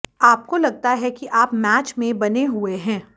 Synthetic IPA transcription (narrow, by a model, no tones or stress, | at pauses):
aːp̚kolɐɡ̚t̪aɦɛkiʔaːpmɛːt͡ʃmẽbɐneɦueɦɛ̃ː